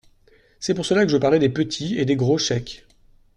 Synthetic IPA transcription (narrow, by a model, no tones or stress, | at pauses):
sɛpuʁsəlakəʒəpaʁlɛd̪epət̪ʰied̪eɡʁoʃɛk